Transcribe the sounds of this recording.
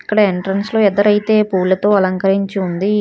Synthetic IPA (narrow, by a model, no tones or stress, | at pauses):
ikːɐɽɐeɳʈɾɐnslo̞ːɛd̪ːɐɾɐjt̪e̞ːpuːlːɐt̪o̞ːɐlɐŋkɐɾiɲt͡ʃiund̪i